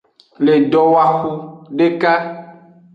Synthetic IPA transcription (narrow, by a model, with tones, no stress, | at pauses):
le˨ɖɔ˦wa˦xu˦ɖe˦ka˦